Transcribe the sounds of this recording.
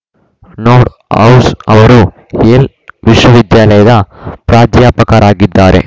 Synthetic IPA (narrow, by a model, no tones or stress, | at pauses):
noːɾʈ | ɐ̰wsɐʋɐɾu | eːl | ʋiʂwɐʋid̪jaːlɐjɐd̪ɐpɾaːd͡ʒ̪jaːpɐkɐɾaːɡid̪ːaːɾʔe̞̰